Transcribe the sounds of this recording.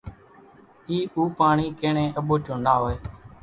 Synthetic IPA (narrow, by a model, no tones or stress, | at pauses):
iːuːpaːɳiːkẽːɳẽːʔəɓoːt͡ʃõːnaːɦoːeː